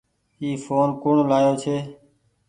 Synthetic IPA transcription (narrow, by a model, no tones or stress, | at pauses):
iːfoːnkʊɳlaːjoːt͡ʃʰeː